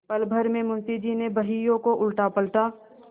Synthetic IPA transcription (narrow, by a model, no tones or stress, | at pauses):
pɐlbʱəɾmẽmʊnt̪id͡ʒinebɐɦijõkoʔʊlʈapɐlʈaː